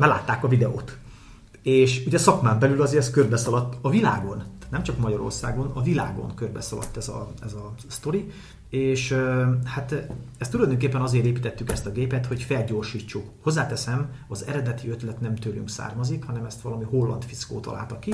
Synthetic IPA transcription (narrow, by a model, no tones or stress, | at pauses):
mɛla̰ːt̪ːaːkɒvid̪ɛo̰ːt̪ | eːʃuɟɛsɒkmaːmbɛlylɒzeːɾɛskørbɛsɒlɒt̪ːɒvilaːɡo̞nnɛmt͡ʃɒkmɒɟɒɾo̞̰rsa̰ːɡo̞nɒvila̰ːɡo̞̰ŋkørbɛsɒlɒ̰t̪ːɛzɒ̰ɛzɒst̪o̞ɾi | eːʃhat̪ɛst̪ːulɒjd̪øːŋk̬eːpːɛnɒzeːɾeːpiːt̪ɛt̪ːykɛst̪ɒɡeːpɛt̪ho̞cfɛlɟo̞ːrʃiːt͡ʃːukho̞zːaːt̪ɛsɛmɒzɛ̰ɾɛd̪ɛt̪iøt̪lɛt̪nɛmt̪øːlyŋksa̰ːrmɒzikhɒnɛmɛst̪ʋɒlɒmiho̞lːɒ̰nt̪fisko̰ːt̪ɒ̰lʔa̰ːlt̪ɒki